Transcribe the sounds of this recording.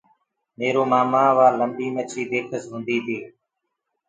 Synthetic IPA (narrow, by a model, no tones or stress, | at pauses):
meːɾoːmaːmãːʋaːləmbiːmət͡ʃʰiːbeːkʰəsɦũːnd̪iːt̪ʰiː